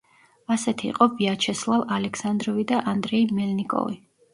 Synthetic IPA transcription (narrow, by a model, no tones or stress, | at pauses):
asɛt̪ʰḭːqʼɔviat͡ʃʰɛslˠavalɛkʰsand̪ɾɔvid̪aʔand̪ɾɛimɛlnikʼɔ̰vḭ